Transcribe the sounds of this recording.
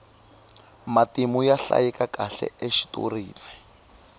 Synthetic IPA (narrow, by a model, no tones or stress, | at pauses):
matimujaɬa̰jikakaɬɛ̰ʔeʃi̥to̰riːlwɛ